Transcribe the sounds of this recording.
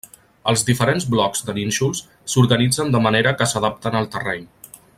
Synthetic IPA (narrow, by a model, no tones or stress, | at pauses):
əlˠzðifəɾenzblɔkz̥d̪əninʃulˠs | suɾɣənid͡zənd̪əməneɾəkəsəðap̚t̪ənəlˠt̪ərɛɲ